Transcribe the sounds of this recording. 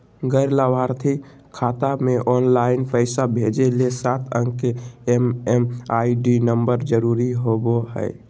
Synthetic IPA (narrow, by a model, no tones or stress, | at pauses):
ɡəɪɾlabaɾt̪ʰi | kʰaːt̪ameʔɔːnlaɪnpəɪsabʱed͡ʒelesaːt̪ʰə̰̃ŋɡkeememaːiɖinəmbəɾd͡ʒəɾuɾiɦoboɦə̰ɪ